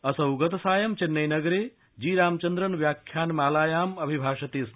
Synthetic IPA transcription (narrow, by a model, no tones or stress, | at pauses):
ɐsɐwɡɐt̪saːjɐmt͡ʃenːɐjnɐɡɾeː | d͡ʒiːɾaːmt͡ʃɐnd̪ɾɐnʋjaːkʰjaːnmaːlaːjaːmɐbʱibʱaːʃɐt̪eːs